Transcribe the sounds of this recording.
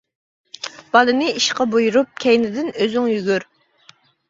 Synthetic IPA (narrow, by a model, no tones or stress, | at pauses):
b̥ɑlˠɨnɪiʃqɑbojuɾup̚kʲʰɛjnɪd̪ɪnøzyŋjyɡʲyɾ